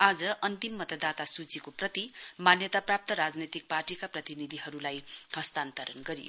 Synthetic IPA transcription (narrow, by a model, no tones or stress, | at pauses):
ad͡zʌʔʌnt̪imːʌt̪ʌd̪at̪asut͡sikoprʌt̪imanjʌt̪aprap̚t̪ʌɾad͡znʌt̪ik̚parʈikaprʌt̪inid̪ʱiɦʌɾulajhʌst̪ant̪ʌɾʌnɡʌɾijo̰